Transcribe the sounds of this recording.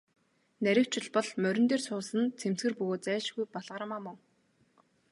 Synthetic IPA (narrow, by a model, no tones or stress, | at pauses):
næɾʲɪ̆w̥t͡ɕʰɪ̆ɮpɔɮmœɾʲɪ̆nt̪eːrsʰʊːsə̆nt͡sʰem̥t͡sɡɘ̆rpɵɣoːt̪t͡sæːʃɡujpaɮʁə̆ɾəmaːmɔŋ